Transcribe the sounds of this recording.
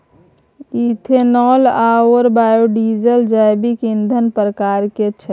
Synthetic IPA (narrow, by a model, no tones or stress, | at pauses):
it̪ʰenɔlaəɾbajuɖid͡ʒəld͡ʒajbikind̪ʱənpɾəkaɾket͡ʃʰɛ